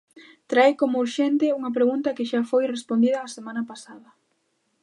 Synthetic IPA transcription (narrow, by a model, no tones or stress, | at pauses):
t̪ɾajkomʊuɾʃent̪ɪuŋɐp̬ɾeɣunt̪ɐkɪʃafojrespond̪iðɐːsemãnɐpasaðɐ